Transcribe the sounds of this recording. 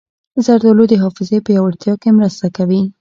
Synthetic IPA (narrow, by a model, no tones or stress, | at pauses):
zaɾd̪olod̪əɦɑfɪzepəjawaɽt̪jɑkemɾəst̪akawi